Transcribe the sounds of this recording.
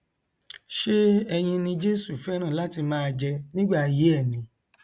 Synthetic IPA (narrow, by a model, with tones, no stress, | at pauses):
ʃe˦ɛ˧j̃ĩ˧nĩ˧d͡ʒe˦su˦˨fɛ˦ɾ̃ã˦˨la˨˦ti˧mãː˦˧d͡ʒɛ˧nĩ˦ɡ͡ba˦˨je˨˦ɛ˦˨nĩ˨˦